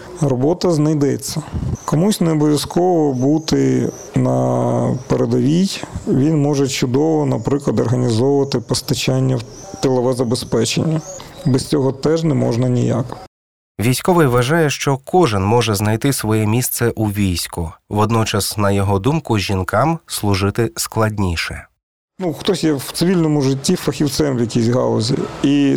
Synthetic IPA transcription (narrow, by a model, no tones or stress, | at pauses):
rɔbɔt̪ɐznɐjd̪ɛt͡sʲːɐkɔmusʲneɔbɔʋʲjɐskɔʋɔbut̪ɪ | nɐ̰peɾed̪ɔʋʲijʋʲinmɔʒɛt͡ʃʊd̪ɔʋɔnɐpɾɪklˠɐd̪ɔrɦɐnʲizɔʋʊʋɐt̪ɪpɔst̪ɐt͡ʃɑnʲːɐwt̪elˠɐʋɛzɐbespɛt͡ʃḛnʲːɐbɛsʲt͡sʲɔɦɔt̪ɛʒnɛmɔ̰ʒnɐnʲḭja̰k | ʋʲijsʲkɔʋɪjʋɐʒɑjɛʃt͡ʃɔkɔʒɪnmɔʒɛznɐjt̪ɪsʋɔjɛmʲist̪sɛʔuʋʲijsʲkʊʋɔd̪nɔt͡ʃɐsnɐjɔɦɔd̪umkʊʒʲinkɑmslˠʊʒɪt̪ɪsklˠɐdʲnʲiʃɛ | nuxt̪ɔsʲjɛwt̪sɪʋʲilʲnɔmʊʐɪtʲːifɐxʲiwt̪sɛmʋwjɐkʲisʲɦɑ̰lˠɔzʲḭi